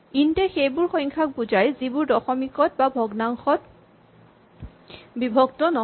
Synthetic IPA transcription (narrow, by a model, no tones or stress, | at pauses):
intɛxejbʊɹxɔ̃jŋkʰak̚buzajzibʊɹdɔxɔmikɔtbabʱɔɡnaŋxɔt | bibʱɔɡtɔnɔ